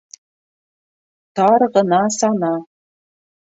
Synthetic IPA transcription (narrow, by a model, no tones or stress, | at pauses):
t̪ɑrʁɤ̆nɑsɑnɑ